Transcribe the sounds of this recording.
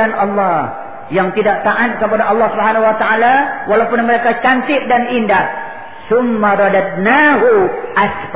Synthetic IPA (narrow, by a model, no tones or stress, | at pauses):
anʔɑlːɑh | jaŋt̪idaʔ̚t̪aʔat̪̚kəpadaʔɑlːɑhsubɦanaɦuwat̪aalawalawpʊnməɾekat͡ʃant̪ɪʔ̚danindah | sʊmːaɾˤɑdat̪̚naɦuʔasf